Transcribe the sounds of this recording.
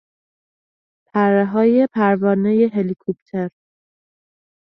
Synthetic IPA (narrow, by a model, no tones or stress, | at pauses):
pʰæɾːeɦɒːjepʰæɾvɒːnejeɦelikʰop̚t̪ʰeɾ